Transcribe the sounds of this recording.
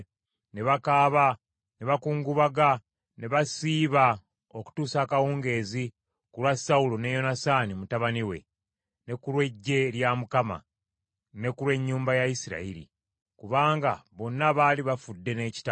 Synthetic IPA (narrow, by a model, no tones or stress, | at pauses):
ne̞βakaːβa | ne̞βakuːŋɡuβaɡa | ne̞βasiːβa | o̞ku̥tuːsaːkawuːŋɡe̞ːzi | kulwasaulone̞jo̞nasanimutaβaniwe̞̰ | ne̞kulwe̞ɟːe̞ljamukama̰ | ne̞kulwe̞ɲːuːmbajaisiɾa̰ḭɾḭ | kuβaːŋɡaβo̞nːaβaːliβafudːe̞ne̞ːci̥ta